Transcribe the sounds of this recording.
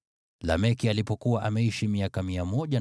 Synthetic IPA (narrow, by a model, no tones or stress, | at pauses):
lamɛkialipɔkuwaʔamɛiʃimiakamiamɔʄa